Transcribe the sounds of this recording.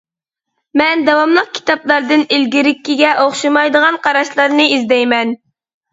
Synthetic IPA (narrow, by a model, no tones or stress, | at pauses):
mɛnd̪ɑwɑmlˠəq̚kʲʰi̥t̪ʰɑplˠɑɾd̪ɨnilɡʲiɾɪkʲːiɡʲɛʔoχʃɨmɑjd̪əʁɑnqʰɑɾɑʃlˠɑɾnɨizd̪ɛjmɛn